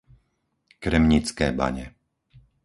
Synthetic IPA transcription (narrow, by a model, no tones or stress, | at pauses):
kɾɛmɲit͡skɛːba̰ɲɛ